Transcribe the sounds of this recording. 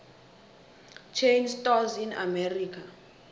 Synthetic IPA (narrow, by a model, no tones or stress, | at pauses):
t͡ʃʰejnstɔzina̰mɛriːk̬ʰa